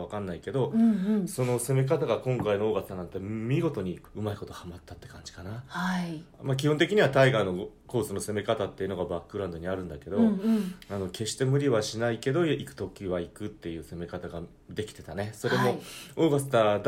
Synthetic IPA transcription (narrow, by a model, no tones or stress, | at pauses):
βakãnːaike̞d̪o̞so̞no̞se̞me̞k̬at̪aɡakõ̞ŋkaino̞oːɡasɨ̥t̪anãnt̪ːemʲiɡo̞t̪o̞ɲ̟iɯ̟maiko̞t̪ohamat̪ːat̪ːe̞kãɲ̟d͡ʑi̥kanaha | mak̬ʲihont̪̬e̞kʲiɲ̟iβat̪aiɡaĩno̞ko̞ːsɨno̞se̞me̞kat̪at̪ːeiɯ̟no̞ɡabakːɯ̟ɾãnd̪o̞ɲ̟iaɾɯ̟̃nd̪ake̞d̪o̞ano̞ke̞ɕi̥t̪e̞mɯ̟ɾʲiβaɕinaike̞d̪o̞ikɯ̟̥t̪o̞kʲiβaikɯ̟t̪ːe̞jɯ̟ːse̞me̞kat̪aɡa | d̪e̞kʲi̥t̪e̞t̪ane̞so̞ɾe̞mo̞o̞ːɡasɨ̥t̪ad̪